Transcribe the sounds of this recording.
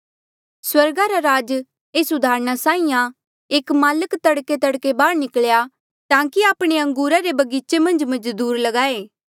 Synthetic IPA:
swɐɾɡaɾaɾaːd͡ʒ | eːsʊd̪ʱaːɾñasãːĩjã | eːkmaːləkt̪ɐɽket̪̬ɐɽkebaːɽnɪklja | t̪ãːkiaːpɽ̃eɐ̃ŋɡuːɾaɾebɐɡiːt͡ʃemɐ̃nd͡ʒmɐ̃d͡ʒd̪uːɾlɐɡaːeː

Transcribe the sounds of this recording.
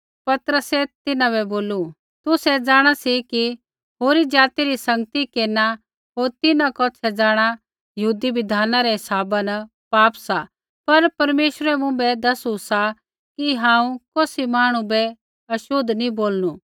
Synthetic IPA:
pɐt̪ɾəsɛt̪ɪnãbɛboːlu | t̪ʊsɛd͡zaːɽ̃asiki | ɦoːɾid͡ʒaːt̪iɾisɐ̃ŋɡət̪ikeːna | ɦoːɾt̪ɪnãkɔːt͡ʃʰɛd͡zaːɽ̃a | jɐɦuːd̪ibɪd̪ʱaːnaɾɛɦɪsaːbanɐ | paːpsa | pɐɾpɐɾmeːʃɾɛmũbɛd̪ɐsusa | kiɦãːũkoːsimaːɽ̃ũbɛ | ɐʃʊd̪ʱnĩboːlnu

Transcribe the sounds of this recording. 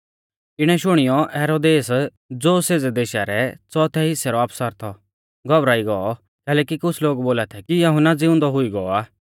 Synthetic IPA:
ɪɽ̃ɛʃʊɽ̃ɪjɔɛːɾoːd̪eːs | d͡zoːseːd͡zɛd̪eːʃaɾɛt͡sɔt̪ʰɛɦɪsɛɾɔapsəɾt̪ʰɔ | ɡʱɔbɾaːiɡɔɔ | kɛːlɛːkikʊt͡sʰloːɡboːlat̪ʰɛkijɐɦʊnad͡zɪʊ̃nd̪ɔɦʊiɡɔɔaː

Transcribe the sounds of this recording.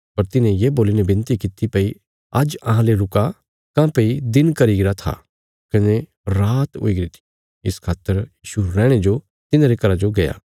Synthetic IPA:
pɐɾt̪ɪnẽjeboːlinẽbɪ̃nt̪ikɪt̪ːipɐi | ɐd͡ʒɐɦãleɾʊka | kãpeid̪ɪnkɐɾiɡɪɾat̪ʰa̰ | kɐne | ɾaːt̪ɦo̰ːiɡɪɾit̪ʰi̥ | ɪskʰaːt̪ːəɾjiːʃuɾɛːɽ̃ed͡ʒo | t̪ɪnãɾekɐɾad͡ʒoɡɐja̰ː

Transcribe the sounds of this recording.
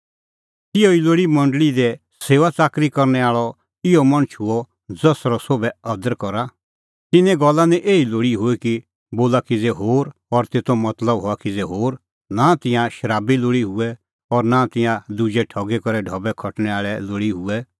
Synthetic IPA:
t̪ɪjoiloːɽimɐ̃ɳɖɭid̪ɛ | seːʋat͡saːkɾikɐɾnɛaːɭɔ | ɪɔmɐɽ̃ʊt͡ʃʰɦʊɔ | d͡zɐsɾɔsobɛɐd̪əɾkɔɾa | t̪ɪnɛ̃ɡɔlːanɛʔeːiloːɽiɦʊɛki | boːlakid͡zeɦoːɾɔɾt̪eːt̪omɐt̪ləbɦoakid͡zeɦoːɾ | nat̪ɪ̃jãʃɐɾaːbiloːɽiɦʊɛ | ɔɾnãt̪ɪ̃jãd̪ud͡ʒɛʈʰɔːɡɛkɔɾɛɖʱɔːbɛkʰɔʈñɛaːɭɛloːɽiɦʊɛ

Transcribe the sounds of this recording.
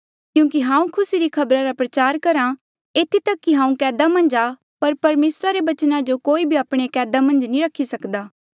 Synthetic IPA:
kjũːkiɦãːũkʰʊsiɾikʰɐbɾaɾapɾɐt͡ʃaːɾkɐɾã | eːt̪ʰit̪ɐkːiɦãːũkɛːd̪amɐ̃nd͡ʒa | pɐɾpɐɾmeːsɾaɾeʋɐt͡ʃnãd͡ʒokoːibʱiaːpɽ̃ekɛːd̪amɐ̃nd͡ʒnĩɾɐkʰːisɐkd̪aː

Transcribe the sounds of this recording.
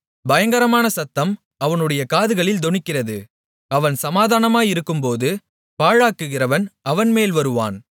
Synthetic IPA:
bɐjɐŋɡɐɾɐmaːnɐsɐt̪ːɐm | ɐʋɐnɯɽɐjɐkaːðɯɣɐɭɪld̪ɔɳɪkːɪrɐðɯ | ɐʋɐnsɐmaːðaːnɐmaːjɪɾɯkːɯmpoːðɯ | paːɻaːkːɯɣɪrɐʋɐnɐʋɐnmeːlʋɐɾɯʋa̰ːn

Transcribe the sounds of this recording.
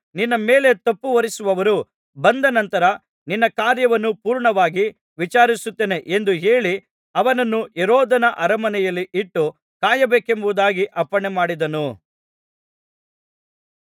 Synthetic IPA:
ninːɐme̞ːle̞t̪ɐpːuʋɐɾisuʋɐʋɐɾu | bɐnd̪ɐnɐnt̪ɐɾɐ | ninːɐkaːɾjɐʋɐnːupuːɾɳɐʋaːɡi | ʋit͡ʃaːɾisut̪ːeːne̞ʔend̪uɦeːɭi | ɐʋɐnɐnːuɛɾɔːd̪ɐnɐʔɐɾɐmɐnɛjɐlːiʔiʈːu | kaːjɐbeːke̞mbuʋud̪aːɡiʔɐpːɐɳemaːɽid̪ɐnu

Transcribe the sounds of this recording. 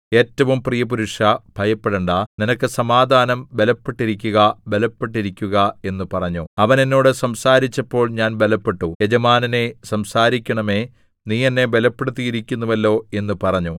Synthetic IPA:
e̞ːtːɐʋumprijɐpuɾuʂɐbʱɐjɐpːeɽeɳɖaninɐkːɨsɐmaːd̪ʱaːnɐmbe̞lɐpːeʈːiɾikʲːuɣɐbe̞lɐpːe̞ʈːiɾikʲːuɣɐe̞nːupɐrɐɲːuɐʋɐne̞nːo̞ːɽɨsɐmsaːɾit͡ɕːɐpːo̞ːɭɲaːnbe̞lɐpːe̞ʈːujed͡ʑɐmaːnɐne̞sɐmsaːɾikʲːɐɳɐme̞ | niːenːe̞be̞lɐpːe̞ɽut̪ːijiɾikʲːunːuʋɐlːo̞ːe̞nːupɐrɐɲːu

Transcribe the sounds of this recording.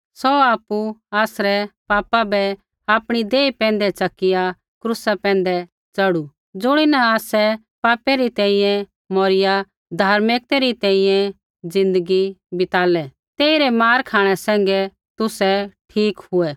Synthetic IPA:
sɔaːpːuaːsɾɛpaːpabɛ | aːpɽ̃id̪eːipɛ̃ːnd̪ɛt͡ʃɐkːɪja | kɾʊsapɛ̃ːnd̪ɛ | t͡sɐɽu | d͡zʊɽ̃inaaːsɛ | paːpɛɾit̪ɛ̃ːĩjɛ̃ | mɔːɾɪja | d̪ʱaːɾmɪk̚t̪ɛɾit̪ɛ̃ːĩjɛ̃ | d͡zɪ̃nd̪əɡibɪt̪aːlɛ | t̪eːiɾɛmaːɾkʰaːɽ̃ɛsɛ̃ːŋɡɛ | t̪ʊsɛʈʰiːkɦʊɛ

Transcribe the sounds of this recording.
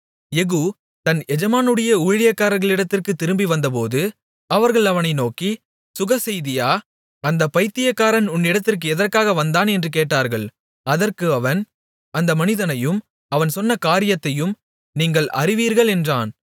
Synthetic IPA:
ɛɣu | t̪ɐnɛd͡ʒɐmaːnɯɽɐjɐuːɻɪɻɪjɐkːaːɾɐɾɣɐɭɪɽɐt̪ːɪrkɯt̪ːɪɾɯmbiʋɐnd̪ɐp̬oːðɯ | ɐʋɐɾɣɐɭɐʋɐnɐɪnoːki | sʊɣɐsɛjðɪjaː | ɐnd̪ɐpɐɪt̪ːɪjɐkːaːɾɐnʊnːɪɽɐt̪ːɪrk̬ɯɛðɐrkaːɣɐʋɐnd̪aːnɛndrɯkeːʈːaːɾɣɐɭ | ɐðɐrkɯɐʋɐn | ɐnd̪ɐmɐnɪðɐnɐjɯm | ɐʋɐnsɔnːɐkaːɾɪjɐt̪ːɐjɯm | niːŋɡɐɭʔɐ̰rɪʋiːɾɣɐɭɛndraːn

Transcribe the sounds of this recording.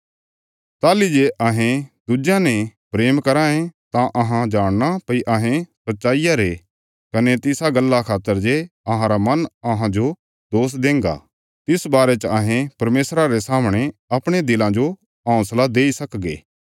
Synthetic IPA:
t̪aːlid͡ʒeʔɐɦẽd̪ʊd͡ʒãnepɾeːmkɐɾãːẽt̪ãʔɐɦãd͡ʒaːɽ̃napɐiʔɐɦẽsɐtːʃaːijaɾe | kɐnet̪ɪsaɡɐlːakʰaːt̪ːəɾd͡ʒeɐɦãɾamɐnɐɦãd͡ʒo | d̪oːs̬d̪ẽːŋɡa̰ | t̪ɪsbaːɾet͡ʃəɐɦẽpɐɾmeːsɾaɾesaːmɽ̃eɐpɽ̃ed̪ɪlãd͡ʒo | ɦãːʊ̃slad̪eːisɐkɡḛː

